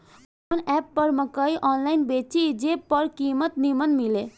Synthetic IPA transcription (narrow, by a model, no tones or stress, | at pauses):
k | onɛpːəɾməkəjʔɔnlajnbet͡ʃid͡ʒepːəɾkimət̪nimənmile